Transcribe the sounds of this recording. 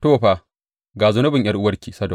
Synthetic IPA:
toː˦˨ɸaː˨ | ɡaː˨zʊ˦nʊ˦bɪ˨ɲj̰ʔɐ˦rʔʊ˦wɐ˦rkʲiː˨sɐ˦dɔ˨

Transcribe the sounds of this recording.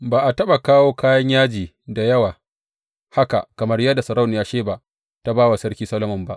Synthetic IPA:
baː˨ʔa˨tɐ˦ɓa˨kaː˦woː˦kaː˦jɐ˦ɲjaː˦d͡ʒiː˨ | da˨jɐ˦waː˨ | ha˦ka̰˨kɐ˨mɐ˦rjɐ˦dːa˨sɐ˨ɾɐ˦wnɪ˨jaː˦ʃeː˦ba˨ | ta˦baː˦wa˨sɐ˦ɽkʲiː˦sɐ˦lo˦mɐ˨mba̰˦ʔ

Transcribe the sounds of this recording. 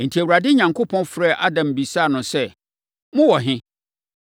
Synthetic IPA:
n̩˨tʰi˨æ˨wu˨ɾa˨dɪ˦ɲã˨ŋkʰo˦pʰɔ̃˦nfɾɛ˦˨ʔa˦dã˨m˨bi˨saː˦˨nʊ̃˨sɛ˦˨ | mʊ̃˦wɔ˨ɦɪ̃˦

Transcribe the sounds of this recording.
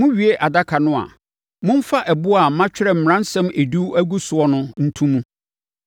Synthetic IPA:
mʊ̃˦ɥi˨e˦ʔa˨da˦kʰa˨nʊ̃˦a̰˨ | mʊ̃˦n˦fa˦ʔɛ˨bʊ˦a˨˦mã˦t͡ɕᶣɪ˦ɾɛ˨m̩˨m˨ɾ̃ã˦n̩˦sɛ̃˦me˨du˦æ˦ɡu˦sʊ˨ɔ˦nʊ̃˦n̩˦tʰũ˦mũ˦

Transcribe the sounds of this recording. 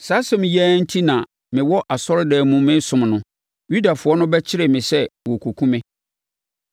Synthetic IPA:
saː˨˦sɛ˦mɪ̃˨jɛː˦n̩˦tʰi˦nã˨ | mɪ̃˨wɔ˦ʔa˨sɔ˦ɾdɛː˨mũ˨mɪ̃˦sʊ̃˨mnʊ̃˨ | ju˦da˨fʊ˨ɔ˦nʊ̃˦bɛ˦t͡ɕʰɪ˦ɾɪ˨mɪ̃˨sɛ˦wɔ˨kʰo˨kʰũ˦mɪ̃˦

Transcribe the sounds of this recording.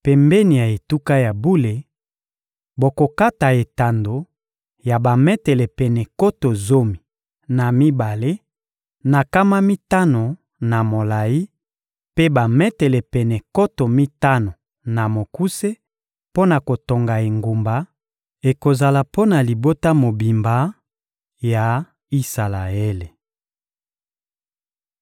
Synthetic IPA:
pɛ˨mbɛ˦ni˨ja˨e˨tu˦ka˦ja˨bu˦le˨ | bo˨ko˨ka˦ta˨e˨ta˨ndo˨ | ja˨ba˨mɛ˦tɛ˨lɛ˨pɛ˨nɛ˨ko˦to˨zo˦mi˨ | na˨mi˦ba˨le˦ | na˨ka˦ma˦mi˦ta˦no˨ | na˨mo˨la˨ji˦ | pe˦ba˨mɛ˦tɛ˨lɛ˨pɛ˨nɛ˨ko˦to˨mi˦ta˦no˨ | na˨mo˨ku˦se˦ | po˦na˨ko˨to˨ŋɡa˨e˨ŋɡu˨mba˨˦ | e˨ko˨za˨la˨po˦na˨li˨bo˦ta˦mo˨bi˨mba˦ | ja˨ | i˦sa˨la˨e˦le˨

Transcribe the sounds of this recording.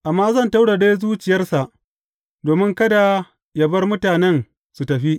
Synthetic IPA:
ʔa˨mːaː˦zɐ˦˨nta˦wɽa˨deː˦zuː˦t͡ʃɪ˨jɐ˦rsa˨ʔ | doː˨mɪ˦ŋkɐ˦da˨ | ja˦bɐ˦rmʊ˦taː˨nɛ˦n | su˨tɐ˨ɸi˦ʔ

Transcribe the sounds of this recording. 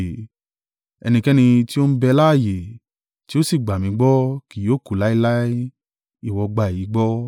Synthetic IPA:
ɛ̰˧nĩ˧kɛ˦nĩ˧ti˦o˦n̩˦bɛ˧la˦˨je˨ | ti˦o˦si˦˨ɡ͡ba˨mĩ˨˧˦ɡ͡bɔ˦ki˨oː˨˦˨ku˨la˨˦i˦la˦ | i˦˨wɔ˧ɡ͡ba˧˨ji˨˦ɡ͡bɔ˦

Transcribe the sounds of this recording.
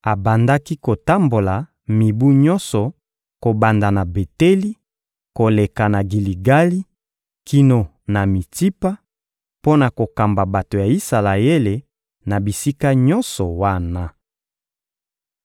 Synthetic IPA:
a˨ba˨nda˦ki˦ko˨ta˦mbo˨la˨ | mi˨bu˦ɲɔ˦nsɔ˨ | ko˨ba˨nda˨na˨be˨te˦li˦ | ko˨le˨ka˨na˨ɡi˨li˨ɡa˦li˦ | ki˦no˨ | na˨mi˨ti˦pa˦ | po˦na˨ko˨ka˨mba˨ba˨to˨ja˨i˦sa˨la˨e˦le˨ | na˨bi˨si˦ka˦ɲɔ˦nsɔ˨wa˦na˦

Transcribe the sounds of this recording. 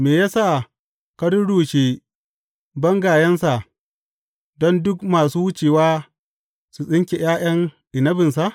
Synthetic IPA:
meː˨jaː˦sa˦˨ | kɐ˦ɽʊ˦ɽoː˨ʃeː˦˨ | bɐ˦ŋɡaː˨jɐ˦nsa˨ | dɔ˦ndʊ˦kmaː˨suː˦wʊ˦t͡ʃeː˨waː˦ | su˨sʼɪ˦ŋkʲe˨j̰aː˦j̰ɐ˦ŋʔɪ˨nɐ˦bɪ˨ns̬a˦˨ʔ

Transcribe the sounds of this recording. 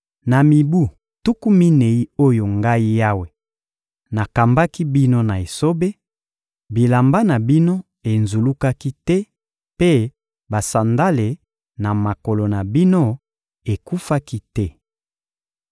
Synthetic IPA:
na˨mi˨bu˦˨ | tu˦ku˦mi˦ne˨i˦o˦jo˨ŋɡa˦i˦ja˦we˨ | na˨ka˨mba˦ki˦bi˦no˦na˨e˨so˦be˦ | bi˨la˨mba˦na˨bi˦no˦ | e˨nzu˨lu˦ka˦ki˦tɛ˦ | pe˦ | ba˨sa˨nda˦le˨ | na˨ma˨ko˨lo˨na˨bi˦no˦ | e˨ku˦fa˦ki˦tɛ˦

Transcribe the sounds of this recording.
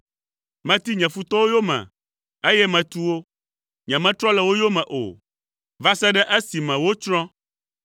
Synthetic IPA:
mɛ̃˨t̪i˦ɲɛ̃˨fu˦t̪ɔ˦wo˦jo˦mɛ̰̃˨ | e˦jɛ˦mɛ̃˨t̪u˦wo˦ | ɲɛ̃˨mɛ̃˦t̪ɾɔ̃˦lɛ˨wo˦jo˦mɛ̃˨ʔo̰˨ | va˦sɛ˦ɖɛ˦ʔe˦si˨mɛ̃˨wo˦t͡ʃɾɔ̃˦

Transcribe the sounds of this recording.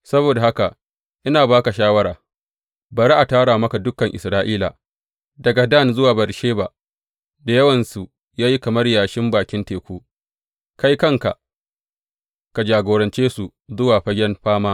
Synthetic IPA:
sɐ˦boː˨da˨ha˦ka˨ | ʔɪ˦naː˨baː˦ka˨ʃaː˦wɐ˦ɾaː˨ | bɐ˨ɾi˦ʔa˨taː˦ɽaː˨mɐ˦ka˨dʊ˦kːɐ˨ŋʔɪ˨sɾaː˦ʔiː˦la̰˨ | dɐ˨ɡa˨dɐ˦˨nzʊ˦waː˨bɐ˨ɾʃeː˦ba˨ | da˨jɐ˦wɐ˨nsu˨ | jaː˦ji˦kɐ˨mɐ˦rjaː˨ʃɪ˦mbaː˨kʲɪ˦nteː˨kʷuː˦ | ka˦jkɐ˦ŋka˨ | ka˨d͡ʒaː˨ɡoː˨ɾɐ˨nt͡ʃeː˦su˨ | zʊ˦waː˨ɸɐ˦ɡʲɛ˦nɸaː˦maː˦

